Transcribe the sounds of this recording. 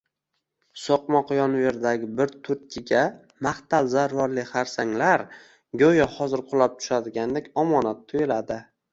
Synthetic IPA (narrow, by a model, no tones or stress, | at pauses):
soqmɒqjɒnve̞ɾd̪aɡʲɪbɪɾt̪ʰʊɾkʲʰɪɡʲa | maχt̪alzaɾvaɾlɪχaɾsaŋlaɾ | ɡʲojɒhɒzɪɾqʰʊlˠap̚t̪ʰʊ̥ʃad̪ɪɡʲand̪ekʲɒmɒnat̪ʰːojɪlad̪ɪ